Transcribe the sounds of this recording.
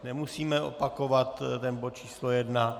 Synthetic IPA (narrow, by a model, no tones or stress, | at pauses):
nɛmusiːmɛʔo̰pako̞vat̪t̪ɛnbot̪̚t͡ʃʰiːslojɛdna